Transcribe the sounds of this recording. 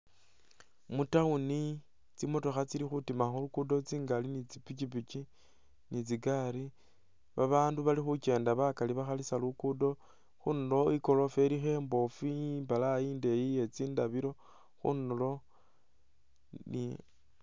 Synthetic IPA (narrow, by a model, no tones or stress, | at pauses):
mutauni | t͡simotoxat͡silixutimaxulukudo̞t͡siːŋɡalinit͡sipit͡ʃip̬it͡ʃi | nit͡siɡaɾi | βaβaːnduβalixut͡ʃe̞ːndaβakaliβaxalisalukudo̞ | xunulo̞iko̞lo̞fe̞lixe̞ːmbo̞fimbalaiːnde̞jije̞t͡siːndaβiɾo̞ | xṵnulo̞ | ni